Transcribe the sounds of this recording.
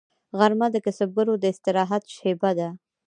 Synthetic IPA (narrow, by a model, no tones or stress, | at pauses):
ɣaɾmad̪əkasab̚ɡaɾod̪əɪst̪ɪɾɑɦat̪ʃebad̪a